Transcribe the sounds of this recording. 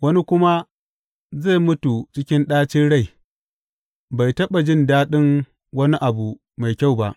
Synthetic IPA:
wɐ˦ni˦kʷʊ˦ma˦ | za˦˨mʊ˦tu˨t͡ʃɪ˦kʲɪ˦nɗaː˦t͡ʃɪ˦nɽa˦˨j | ba˨jtɐ˦ɓa˨d͡ʒɪ˦˨ndaː˦ɗɪ˦ŋ | wɐ˦ni˦ʔa˨bu˨ | ma˨jkʲa˦˨wba˨ʔ

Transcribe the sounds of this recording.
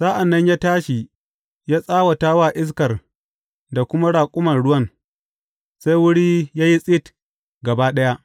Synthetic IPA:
saː˦ʔa˨nːɐ˦ɲjaː˦taː˦ʃi˨ | jaː˦sʼaː˦wa˨taː˦waː˦˨ʔɪ˦s̬kɐ˨r | da˨kʷʊ˦ma˦ɽaː˨kʷʼʊ˦mɐ˨nɽʊ˦wɐ˦n | se˦jwʊ˦ɽiː˦jaː˦ji˦sʼɪ˦t | ɡɐ˨baː˦ɗɐ˦ja˦ʔ

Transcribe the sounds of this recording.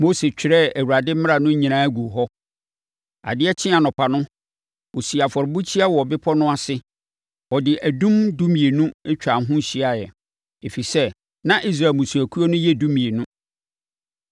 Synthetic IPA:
mo˦se˨t͡ɕᶣɪ˨ɾɛ˦æ˨wu˨ɾa˨dɪ˦mɪ̃˦a˨nʊ̃˦ɲĩ˨nã˦æ˦ɡu˨ɦɔ˦ | a̰˨dɪ˦ɛ˦t͡ɕʰɪ̃˦a˨nʊ̃˨pʰa˨nʊ̃˦ | wo˨si˨a˨fɔ˨ɾɪ˨bu˦t͡ɕʰi˦a˦wɔ˨bɪ˦pʰɔ˦nʊ̃˦a˦sɪ˦ | ɔ˨dɪ˨ʔæ˨dũ˦mdu˦mĩ˨e˨nũ˦ɛ˦t͡ɕᶣa˨n˨ɦʊ̃˦ɕi˦a˨jɛ˨ | e˨fi˨sɛ˦ | nã˦ʔi˦s̬ɾa˨lmũ˨su˨æ˨kʰu˦o˦nʊ̃˦jɛ˦dũ˦mĩ˨e˨nʊ̃˦

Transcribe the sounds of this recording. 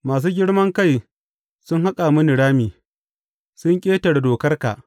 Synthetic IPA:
maː˨s̬uː˦ɡʲɪ˦ɽmɐ˦ŋka˦˨j | sʊ˦ŋha˦kʼa˨mʊ˦nɪ˨ɽaː˦miː˨ | sʊ˦ŋkʲʼeː˦tɐ˨rdoː˨kɐ˦rka̰˨ʔ

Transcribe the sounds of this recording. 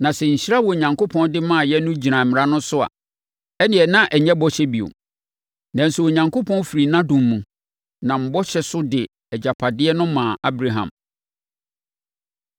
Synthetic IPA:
nã˨sɛ˨ɲ̩˨ɕi˦ɾa˦wɔ˨ɲã˨ŋkʰo˦pʰɔ̃˦ndɪ˦mã˦˨jɛ˦nʊ̃˦d͡ʑi˨ã˨m̩mɪ̃˨ɾa˦nʊ̃˦sʊ˦a̰˨ | ɛ˦nɪ̃˦ɛ˨nã˦ʔɛ˨ɲɛ̃˦bɔ˦ɕɛ˦bi˨o̰˨ | nã˨n̩˨su˨o˨ɲã˨ŋko˦pʰɔ̃˦n˦fi˨ɾi˨nã˦dũ˨mːũ˨ | nã˨m̩˦bɔ˦ɕɛ˦sʊ˦dɪ˨ | ɛ˨d͡ʑa˨pʰa˨dɪ˦ɛ˦nʊ̃˦mãː˨ʔa˦bɾa˨ɦã̰˨m

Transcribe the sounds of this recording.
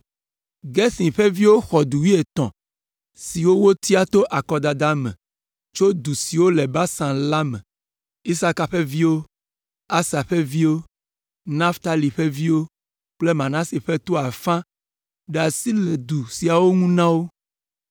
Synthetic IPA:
ɡɛ˦sĩ˨ɸɛ˦vi˦wo˦xɔ˨d̪u˨wi˦e˨t̪ɔ̰̃˨ | si˨wo˦wo˦t̪i˦a˦t̪o˦ʔa˨kɔ˨d̪a˨d̪a˦mɛ̰̃˨ | t͡ʃo˦d̪u˨si˨wo˦lɛ˨ba˦sã˨la˦mɛ̰̃˨ | i˦sa˦ka˨ɸɛ˦vi˦wo˦ | a˦sa˨ɸɛ˦vi˦wo˦ | nã˦ft̪a˦li˨ɸe˦vi˦wo˦ | k͡ple˦mã˨nã˦si˨ɸɛ˦t̪o˦a˨fã˦ | ɖɛ˨a˨si˦le˨d̪u˨si˨a˨wo˦ŋũ˦nã˦wo˦

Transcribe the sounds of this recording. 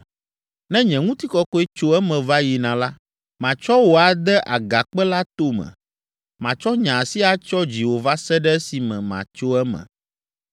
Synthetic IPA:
nɛ̃˦ɲɛ̃˨ŋũ˦t̪i˦kɔ˦kɔ˦ɛ˦t͡ʃo˦ɛ˦mɛ̃˨va˦ji˨nã˨la˦ | mã˨t͡ʃɔ˦wo˨a˨d̪ɛ˦ʔa˨ɡa˨k͡pɛ˦la˦t̪o˦mɛ̰̃˨ | mã˨t͡ʃɔ˦ɲã˨si˦a˨t͡ʃɔ˦d͡ʑi˨wo˨va˦sɛ˦ɖɛ˦si˨mɛ̰̃˨mã̰˨t͡ʃo˦ɛ˦mɛ̰̃˨

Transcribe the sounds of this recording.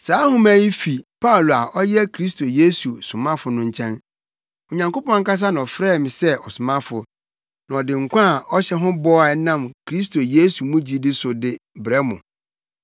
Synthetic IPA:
saː˨˦hʊ̃˦mæ̃˦ji˦fi˨pʰa˦˨lo˨a˨ʔɔ˦jɛ˦kʰɾi˦stʰo˨je˦su˨sʊ˨mã˦fʊ˨nʊ̃˦ɲ˨t͡ɕʰɛ̃˦n | ɔ˨ɲã˨ŋko˦pɔ̃˦ŋ̩˦ka˦s̬a˦nã˨ɔ˨fɾɛː˦˨mɪ̃˨sɛ˦ʔɔ˨sʊ˨mã˦fʊ˨ | nã˨ɔ˨dɪ̃˨ŋ̩˨kʷã˦˨ʔɔ˦ɕɛ˦ɦʊ̃˦bɔ˦a˨nã˦˨mkʰɾi˦s̬tʰo˨je˦su˨mũ˦d͡ʑi˦dɪ˦sʊ˨dɪ˦bɾɛ˦mʊ̃˨

